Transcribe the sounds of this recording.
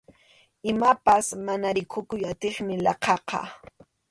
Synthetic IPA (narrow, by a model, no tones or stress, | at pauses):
ɪmapasmanaɾɪkʰʊkʊjat̪eχmɪlɑqɑqɑ̰